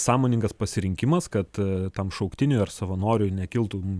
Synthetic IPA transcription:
sɑːmoːnʲɪŋɡɐspɐsʲɪɾʲɪŋʲkʲɪmɐskɐt̪t̪ɐmʃɐʊkt̪ʲɪnʲʊːɐrsɐʋɐnoːɾʲʊnʲɛkʲɪlˠt̪um

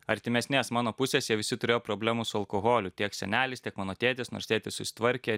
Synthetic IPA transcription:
ɐɾʲt̪ʲɪmʲɛsʲnʲeːsmɑːnoːpʊsʲeːsjiɛʋʲɪsʲɪt̪ʊɾʲeːjoːpɾoːbʲlʲæːmusʊɐlˠkoːɣoːlʲʊt̪ʲiɛksʲɛ̰nʲæːlʲɪst̪ʲiɛkmɑːnoːt̪ʲeːt̪ʲesno̰ːɾst̪ʲeːt̪ʲessʊsʲɪ̥t̪ʋɐɾʲkʲeː

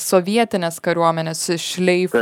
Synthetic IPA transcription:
sɔʋʲiɛt̪ʲɪnʲeːskɐɾʲuɔmʲɛnʲeːsɪʃʲlʲɛɪf

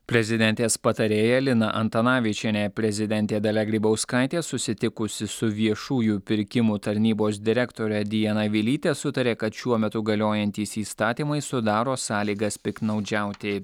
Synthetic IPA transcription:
pʲɾʲɛzʲɪd̪ʲɛnʲt̪ʲeːspɐt̪ɐɾʲeːjɛlʲɪnɐʔɐnt̪ɐnɑːʋʲɪt͡ʃʲɛnʲɛpʲɾʲɛzʲɪd̪ʲɛnʲt̪ʲeːd̪ɐlʲɛɡɾʲiːbɐʊskɑˑɪt̪ʲeːsʊsʲɪt̪ʲɪkʊsʲɪsʊʋʲiɛʃuːjʊpʲɪɾʲkʲɪmʊt̪ɐɾʲnʲiːboːs̬d̪ʲɪɾʲɛkt̪oːɾʲɛd̪ʲɪjɛnɐʋʲɪlʲiːt̪ʲeːsʊt̪ɐɾʲeːkɐt̪ʃʲuɔmʲɛt̪ʊɡɐlʲoːjɛnʲt̪ʲiːsiːst̪ɑːt̪ʲiːmɐɪsʊd̪ɑːɾoːsɑːlʲiːɡɐspʲɪknɒʊd͡ʒʲæˑʊt̪ʲɪ

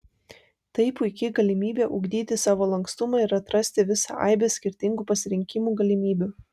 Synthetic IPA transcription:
t̪ɐɪpʊɪkʲɪɡɐlʲɪmʲiːbʲeːʔʊɡd̪ʲiːt̪ʲɪsɑːʋoːlˠɐŋkst̪ʊmɑɪɾɐt̪ɾɐsʲt̪ʲɪʋʲɪsɑ̰ʔɐ̰ɪbʲeːsʲkʲɪɾʲt̪ʲɪŋɡuːpɐsʲɪɾʲɪŋʲkʲɪmuːɡɐlʲɪmʲiːbʲu

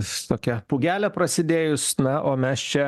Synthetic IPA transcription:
st̪oːkʲɛpuːɡʲæːlʲɛpɾɐsʲɪd̪ʲeːjʊsnɐʔoːmʲɛst͡ʃʲɛ

